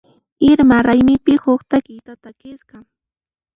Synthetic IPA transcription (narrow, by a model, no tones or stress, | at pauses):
ɪɾmaɾajmɪpɪhʊχt̪akɪjt̪at̪akɪskɑ